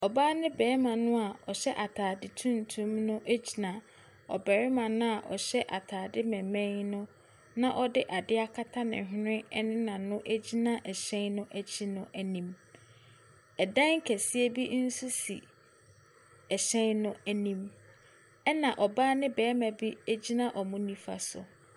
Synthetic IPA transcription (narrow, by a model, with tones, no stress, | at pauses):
ɔ˨baː˦nɪ̃˦bɛː˨˦mã˨nʊ̃˦a˨ɔ˨ɕɛ˦ʔa˨tʰaː˨dɪ˨tʰũ˦n˨tʰũ˦mnʊ̃˦ʔæ˦d͡ʑi˨nã˨ | ɔ̰˨bɛ˨ɾɪ˦mã˨nʊ̃˦a˨ʔɔ̰˨ɕɛ˦ʔa˨tʰaː˨dɪ˦mɛ̃˨mɛ̃˦nʊ̃˦ | nã˦ʔɔ˦dɪ˦ʔa˨dɪ˦a˦kʰa˦tʰa˦nɪ̰̃˨ɦnɪ̃˦ɛ˦nɪ̃˦nã˨nʊ̃˦ʔæ˦d͡ʑi˦nã˦ʔɛ˨ɕɛ̃˦nnʊ̃˦ʔæ˦t͡ɕʰi˦nʊ̃˦ʔæ˨nĩ˨m | ɛ˨dã˦ŋ˦kʰæ˨sɪ˦ɛ˦bi˦n̩˦su˦sḭ˨ | ɛ˨ɕɛ̃˦nnʊ̃˦æ˨nĩ˦m | ɛ˦nã˨ʔɔ˨baː˦nɪ̃˦bɛː˨˦mæ̃˨bi˦æ˦d͡ʑi˦nã˦ʔɔ˨mʊ̃˦nĩ˦fa̰˨sʊ̰˨